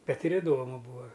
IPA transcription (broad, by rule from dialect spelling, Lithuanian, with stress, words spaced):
ˈbʲɛt ɪr ɪˈdoːmʊ ˈbuːɐ